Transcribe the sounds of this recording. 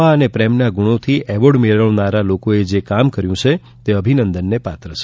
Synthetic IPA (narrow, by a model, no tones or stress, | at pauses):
aənepɾɛmnaɡuɽ̃ot̪ʰiʔɛʋoɽmeɭəɭnaɾalokoed͡ʒekamkəɾjũt͡ʃʰe | t̪eəbʱinənd̪ənːepat̪ɾəʃʰe